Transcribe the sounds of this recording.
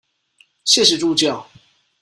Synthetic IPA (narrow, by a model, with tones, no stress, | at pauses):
ɕjɛ˥˨ʂ̬ɻ̩˧ʈ͡ʂu˥˧t͡ɕjɑ˥˨ʊ